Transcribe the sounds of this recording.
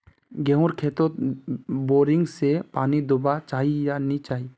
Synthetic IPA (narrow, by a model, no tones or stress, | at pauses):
ɡɛɦũɾkʰeːt̪o | boːɾɪ̃ŋɡsepaːnid̪ʊbat͡ʃaːɦijanit͡ʃaːɦiː